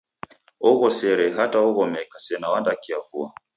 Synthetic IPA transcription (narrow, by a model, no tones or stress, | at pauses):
ɔɣɔsɛɾɛɦataɔɣɔmɛkasɛnawandakiavua